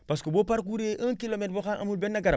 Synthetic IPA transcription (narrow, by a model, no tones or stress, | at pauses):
pas̬kobopaɾk̬uɾeʔəŋkilometboxaʔa̰mulbenːaɡaɾ